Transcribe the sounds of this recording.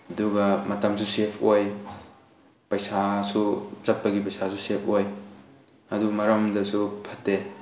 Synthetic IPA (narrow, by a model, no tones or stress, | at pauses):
ɐduɡɐmɐtɐmsusepʰoj | pɐjsasuzɐt̚pɐɡipɐjsasusepʰoj | ɐduɡmɐɾɐmdɐsupʰɐtːe